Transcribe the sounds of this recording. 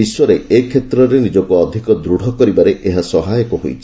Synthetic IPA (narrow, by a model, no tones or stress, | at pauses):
iswɔɾeekʰet̪ɾɔɾenid͡ʒɔkuɔd̪ʱikɔd̪ɾuɽ̤ʱɔkɔɾibaɾeʔeɦasɔɦajɔkɔɦojt͡ʃʰi